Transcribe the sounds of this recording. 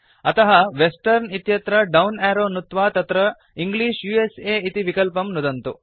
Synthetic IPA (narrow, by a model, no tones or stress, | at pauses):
ɐt̪ɐɦɐʋesʈɐɾnit̪jɐt̪ɾɐɖɐwnɛːɾoːnut̪ʋaːt̪ɐt̪ɾɐ | iŋɡliːʂjuːeseːit̪iʋikɐlpɐmnud̪ɐnt̪u